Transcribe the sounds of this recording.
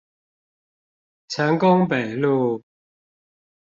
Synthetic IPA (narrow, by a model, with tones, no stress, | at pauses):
t͡sʰə˨˦ŋkʊ˦ŋpe˨˩ɪlu˥˧˨